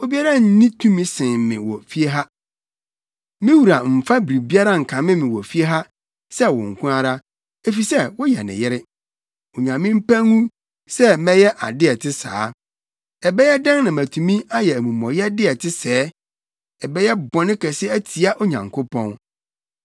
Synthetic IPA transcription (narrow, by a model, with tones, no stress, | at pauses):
o˦bi˦a˦ɾa˦n̩˦nĩ˦tʰũ˦mĩ˦sɪ̃˨mɪ̰̃˨wɔ˨fi˦e˦ɦa˦ | mɪ̃˦wu˨ɾa˨m̩˨fa˦bɾi˨bi˦a˦ɾa˦ŋ̩˨kʰã˨mɪ̃˦mɪ̃˨wɔ˨fi˦e˦ɦa˦ | sɛ˦wɔ̰̃˨ŋ̩˨kʰʷũ˦a˦ɾa˦ | e˨fi˨sɛ˦wɔ˦jɛ̰˨nɪ̰̃˨jɛ˦ɾɪ˦ | o˨ɲã˨mĩ˦m̩˦pæ̃˦ŋũ˦ | sɛ˦mɛ̃˦jɛ˦ʔa̰˨dɪ˦ɛ˨tʰɪ˦sa̰ː˨˦ | ɛ˨bɛ˦jɛ˦dã˦ŋnã˨mæ˨tʰũ˨mĩ˦a˦jɛ˨æ˨mũ˨mɔ̃˨jɛ˦dɪ˦ɛ˨tʰɪ˦sɛː˦ | ɛ˨bɛ˦jɛ˦bɔ̃˨nɪ̃˦kʰɛ˨sɪ˦æ˦tʰi˨a˦ʔo˦ɲã̰˨ŋkʰʊ˦pʰɔ̃˦n